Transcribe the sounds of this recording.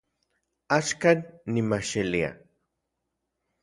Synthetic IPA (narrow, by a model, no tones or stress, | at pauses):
aʃkanːimaʃilia̰